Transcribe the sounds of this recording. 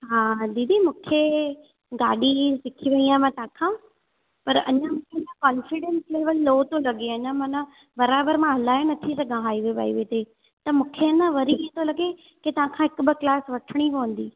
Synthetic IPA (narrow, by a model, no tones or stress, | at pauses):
ɦaːd̪id̪imũːkʰe | ɡaːɗisɪkʰiʋɐiaːmãt̪ɐãːkʰãː | pɐɾɐ̰ɲãmũːkʰenãkɔːnfɪɖẽnsleːʋəlːoːt̪olɐɡeɐɲãmɐ̃nã | bɐɾaːbəɾmãɦɐlaːenɐt̪ʰisɐɡʱãɦaːiʋeba̰ːiʋeːt̪e | t̪ɐmũːkʰeɐnə̃ʋɐɾiiɦẽt̪ʰolɐɡe | ket̪ɐʋ̤ãkʰãːɦɪkbɪklaːsʋɐʈʰəɽ̃ipɐʋə̃n̆d̪iː